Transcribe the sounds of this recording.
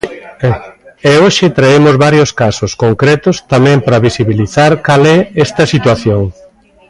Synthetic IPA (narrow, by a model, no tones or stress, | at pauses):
ɛoʃɪt̪ɾaemozβaɾjoskasoskoŋkɾɛt̪ʊst̪amɛ̃mpɾɐβisiβiliθaɾkalɛɛst̪ɐsit̪waθjoŋ